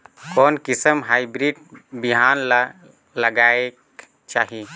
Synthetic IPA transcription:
kɔːnkɪsəmɦaːibɾiːɖbiɦaːn | ləɡaːek | t͡ʃaːɦi

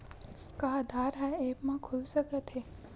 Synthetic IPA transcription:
kaɦd̪ʱaːɾɦaepmãkʰulsəkət̪ʰe

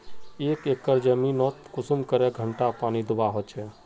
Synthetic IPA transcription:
eːkekːəɾd͡ʒəmĩnɔt̪kʊsumkəɾɛɡʱəɳʈapaːnid̪ʊbaɦot͡ʃʰɛ

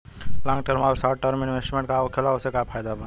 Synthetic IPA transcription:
lãːŋɡʈəɾmaɾsaʈəɾmɪnʋesʈmẽɳʈkaokʰelaosekapʰaːjd̪aba

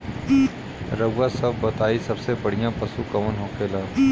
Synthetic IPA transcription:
ɾəɡasɐbːɐt̪aːisɐbsebɐɽ̤ijãpɐsukɐʋənɦoːkʰeːlaː

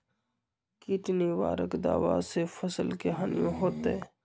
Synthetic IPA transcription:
kiʈniʋa̰ːɾə̰kd̪a̰ːʋa̰sefʰəsəlkeɦanijõɦoːt̪e

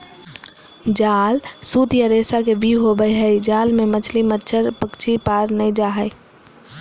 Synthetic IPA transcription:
d͡ʒaːlsut̪jaɾeːsakebʱiɦobəjɦəjd͡ʒaːlmẽmət͡ʃʰlimətːʃʰəɾpəkt͡ʃʰipaːɾnəĩd͡ʒaːɦə

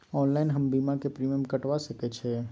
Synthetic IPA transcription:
ɔːnlaːɪnɦɐmbiːmakepɾiːmjəmkɐʈʋasɐket͡ʃʰɛː

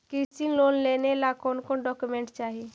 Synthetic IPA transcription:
kɪɾsinloːnlenelakonkõɖɔkumẽɳʈt͡ʃaːɦi

